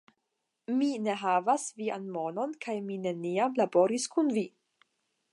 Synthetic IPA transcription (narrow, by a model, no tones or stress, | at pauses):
mine̞ɦavasvianmo̞no̞nkajmine̞niamlabo̞ɾiskunvi